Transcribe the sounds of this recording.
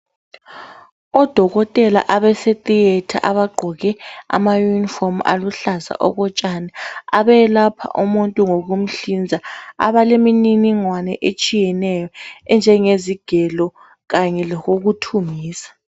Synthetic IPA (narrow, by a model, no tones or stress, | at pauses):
ɔd̥ʱɔɣɔtʼɛla̰ʔaβɛsetʼietʰaʔaβaɡ͡ǃʱɔɣɛa̰majunifɔma̰luɬaza̰ʔɔ̰ɣɔt͡ʃʼanaaβɛlapʰa̰ʔumuntʼuŋoɣum̩ɬind͡zʱaa̰βalemininiŋwanɛʔet͡ʃʼijɛnɛjɔɛnd͡ʒʱɛŋeziɡ̥ʱɛlɔ | ɣaɲɛlɛɣoɣutʰumiːsḁ